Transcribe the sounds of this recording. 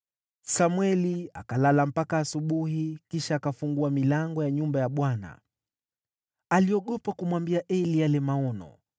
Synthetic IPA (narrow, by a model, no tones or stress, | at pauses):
samwɛliakalalam̩pakaːsuɓuhikiʃaːkafuŋɡuamilaŋɡɔjaɲumbajaɓwana̰ | aliɔɠɔpakumwambiaʔɛlijalɛmaɔnɔ̰